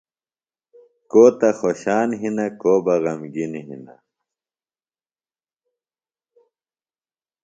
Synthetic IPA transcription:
koːt̪ɐxoɕaːnɦinɐkoːbɐɣɐmɡinɦḭnɐ̰

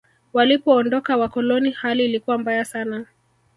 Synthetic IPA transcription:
walipɔːndɔkawakɔlɔnihaliːlikuwambajasana

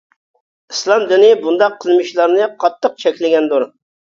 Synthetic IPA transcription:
islˠɑmd̪ynibund̪ɑqʰːəlˠmɨʃlˠɑɾnɨqʰɑt̪ːəq̚t͡ʃʰɛkʲlɪɡʲɛnd̪uɾ

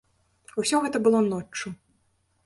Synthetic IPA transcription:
usʲɔɣɛt̪ɐbɨlˠɔnɔt͡ʂːu

